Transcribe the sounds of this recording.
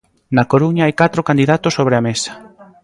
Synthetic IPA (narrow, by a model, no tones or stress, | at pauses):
nakoɾuɲaajkat̪ɾokand̪iðat̪ʊsːoβ̞ɾeamesḁ